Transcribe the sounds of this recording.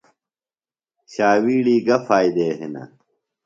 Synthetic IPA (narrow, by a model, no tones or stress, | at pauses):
ɕaːwiːɽiːɡɐfaːjd̪eːɦenɐ̰